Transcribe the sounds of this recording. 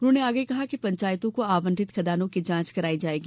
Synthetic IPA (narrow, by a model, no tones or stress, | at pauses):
ʊnõneaːɡəikɐɦakipɐ̃ɲt͡ʃaːjt̪õkoaːʋə̃nd̪ʱɪt̪kʰɐd̪aːnõkid͡ʒãːt͡ʃkɐɾaːid͡ʒaːeːɡi